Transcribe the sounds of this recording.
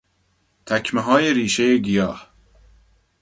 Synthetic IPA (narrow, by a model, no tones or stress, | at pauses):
t̪ʰækʰmeɦɒːjeɾiːʃe̞jeɡijɒːh